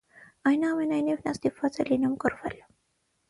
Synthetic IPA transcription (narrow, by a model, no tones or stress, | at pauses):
ɑjnəɑmenɑjnivnɑst̪ipvɑt͡sɛlinumkəɾvɛl